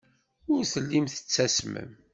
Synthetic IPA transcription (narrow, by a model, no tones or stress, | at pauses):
ʊɾθəlːimθə̥t͡sːæsmə̰m